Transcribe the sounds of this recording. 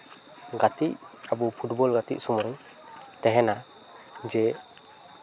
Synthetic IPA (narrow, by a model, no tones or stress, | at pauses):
ɡat̪iʔabɔpʰutbɔlɡat̪ḭʔ̚sumɔɾiŋ | t̪ɛɦɛna | d͡ʒɛ